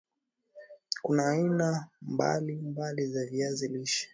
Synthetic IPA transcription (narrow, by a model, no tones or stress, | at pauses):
kunaːinamba̰limbalizaviaziliʃɛ̥